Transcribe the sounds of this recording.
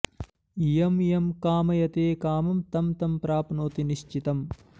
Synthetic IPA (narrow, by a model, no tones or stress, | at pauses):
ijɐmjɐmkaːmɐjɐt̪eːkaːmɐmt̪ɐmt̪ɐmpɾaːpnoːt̪iniʃt͡ʃit̪ɐm